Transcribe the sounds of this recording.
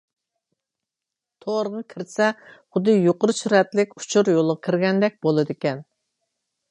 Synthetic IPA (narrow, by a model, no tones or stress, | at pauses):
t̪ʰoɾʁɑkʲʰiɾsɛχʊd̪ːɨjoqʊɾɨsyɾɛt̪lɪkʲu̥t͡ʃʰuɾjolˠʁɑkʲʰiɾɡʲɛnd̪ɛk̚ʲbolˠɨd̪ɪkʲɛn